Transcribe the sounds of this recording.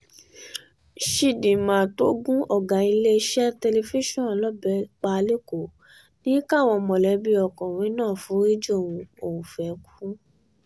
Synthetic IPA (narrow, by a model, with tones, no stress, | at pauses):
ʃi˧˨dĩ˨mã˨to˨˦ɡũ˦ʔɔ˦˨ɡa˨i˧le˦˧˦ʃɛ˦te˧le˧fi˦ʃɔ̃˦˨lɔ˦bɛ˧˦k͡pa˧le˦ko˨ | nĩ˦ka˦˨w̃ɔ̃˧mɔ̃˨lɛ˨˦bi˦ɔ˧˨kɔ̃˨ɾ̃ĩ˨˦nãː˦˨fũ˨˦ɾi˦d͡ʒo˦˨wũ˧o˨wũ˨fɛ˨˦ku̥˦